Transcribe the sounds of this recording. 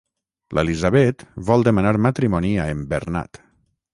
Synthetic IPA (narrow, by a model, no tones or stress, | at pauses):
lelizaβet̪βɔlˠd̪emanaɾmat̪ɾimoniaembeɾna̰t̪